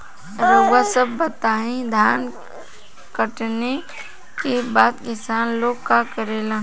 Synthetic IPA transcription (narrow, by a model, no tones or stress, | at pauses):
ɾoːɡasəbːət̪aːɦẽd̪ʱjaːn | kəʈne | kebaːt̪kɪsaːnloːɡkakəɾeːlãː